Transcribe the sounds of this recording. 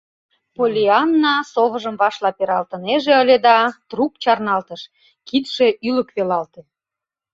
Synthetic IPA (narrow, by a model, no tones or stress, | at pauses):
polʲiɑnːɑsoβəʒəmβɑʃlɑpeɾɑlt̪əneʒeəlʲed̪ɑt̪rukt͡ɕɑrnɑlt̪əʃ | kit̪ʃeʔyləkβelɑlt̪e